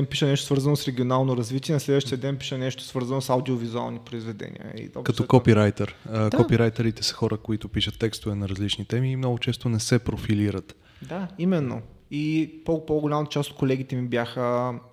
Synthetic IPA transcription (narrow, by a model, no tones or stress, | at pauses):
ɛnpi̥ʃənɛʃt̪o̥svɤɾzɐnosɾɛɡʲionalˠnoɾɐzvit̪ʲiɛnɐslɛd̪vəʃt̪ijəd̪ɛnpiʃənɛʃt̪o̥svɤɾzɐnosawd̪iovizua̰lˠnipɾoizvɛd̪ɛ̰nʲḭə̰ḭɔ̰kɐt̪ɔkɔpiɾajt̪ɛɾkɔpiɾajt̪ɛɾit̪ɛsɐ̥xɔɾəkoit̪ʊpiʃət̪ːɛkst̪ʊvɛnɐɾɐzlit͡ʃnit̪ɛmiːmnɔɡʊt͡ʃɛst̪onɛsɛpɾofiliɾət̪ | d̪aimɛnːo̰ipopoɡoʊlʲamɐt̪ɐ̥t͡ʃast̪o̥t̪̚kolɛɡʲit̪ɛmibjaxə